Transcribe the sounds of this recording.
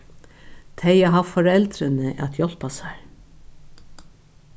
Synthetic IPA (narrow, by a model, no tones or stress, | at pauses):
t̪ʰejaɦavfɔɾɛlt̪ɾɪnɪʔa̰t̪jɔl̥pasaɹ